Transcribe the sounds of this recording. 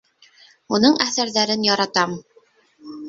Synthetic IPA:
unɤɴæθæɾðæɾɘnjɑɾɑt̪ɑm

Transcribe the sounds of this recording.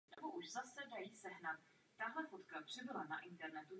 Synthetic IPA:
nɛboʔuʒzasɛdajiːsɛɦnat̪ː | aɦlɛfot̪kapr̝̥ɪbɪlanaʔɪnt̪ɛɾnɛt̪u

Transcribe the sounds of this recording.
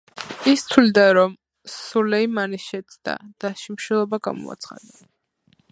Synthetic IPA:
ist̪ʰwlid̪aɾɔm | sulɛimanisʃɛt̪sʰʼd̪̥a̰d̪̥aʃimʃilˠɔbaɡa̰mɔ̰a̰t̪sʰχa̰d̪a

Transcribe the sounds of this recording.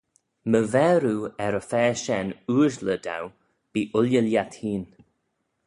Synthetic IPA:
məvɛːɾuːɛɾəfɛːʃɛnuːɹzləd̪a̰w | b̥iːʔʊljəljat̪hiːn

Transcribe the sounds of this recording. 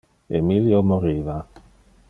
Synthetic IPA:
ḛmiljomoɾiːva

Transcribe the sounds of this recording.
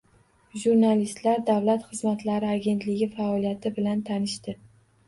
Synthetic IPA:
ʒuɾnalist̪laɾd̪avlat̪χɨzmat̪ʰlaɾɪaɡʲe̞nt̪lɪɡʲɪfaɒlijat̪ʰɪbɪlant̪ʰanɪʃt̪ɪ

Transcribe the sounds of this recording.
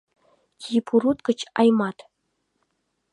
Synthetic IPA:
kʲʰipʰuɾut̪kɤ̆t͡ɕɑ̰jmɑt̪

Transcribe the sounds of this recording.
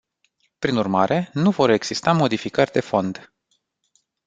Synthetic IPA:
pɾinurmaɾe̞nuvo̞ɾe̞ɡz̥ist̪amo̞d̪ifikərʲd̪e̞fo̞nd̪

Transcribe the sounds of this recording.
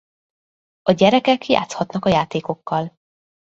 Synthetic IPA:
ɒɟɛɾɛkɛkja̰ːt̪shɒt̪nɒkɒjaːt̪eːko̞kːɒl

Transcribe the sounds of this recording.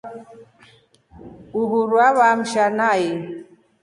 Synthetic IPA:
uɦuɾwaβam̩ʃanaji

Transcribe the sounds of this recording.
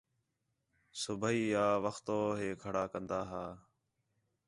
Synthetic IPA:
sʊbʱəiːjaːʋəxt̪oːɦeːkʰəɽaːkənd̪aːɦaː

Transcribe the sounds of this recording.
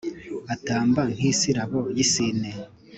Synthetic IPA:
ataːmban̥hiːsiɾaβojisine

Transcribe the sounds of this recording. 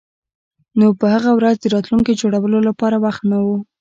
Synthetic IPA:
nopəhaɣawɾazd̪əɾɑt̪luŋked͡ʒoɽawəlolapɑɾawaxt̪nawu

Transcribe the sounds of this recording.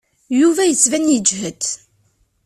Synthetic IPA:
juvæjət͡sːvænjəd͡ʒɦət̪

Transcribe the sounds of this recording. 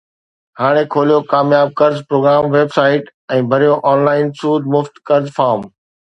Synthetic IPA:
haːɽ̃ekʰoːlijokaːmjaːb̚kɐɾzpɾoːɡɾaːmʋeːbsaːɪʈ | ɛ̃ːbʱɐɾijoʔɔːnlaːɪnsuːd̪mʊft̪kɐɾzfaːɾm

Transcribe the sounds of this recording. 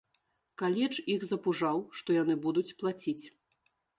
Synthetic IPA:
kalʲit͡ʂixzɐpuʐawʂt̪ɔjanɨbud̪ut͡sʲplˠat͡sʲit͡sʲ

